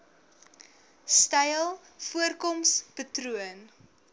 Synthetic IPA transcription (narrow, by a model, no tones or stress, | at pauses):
stɐjlˠ | fuərkɔmspətruən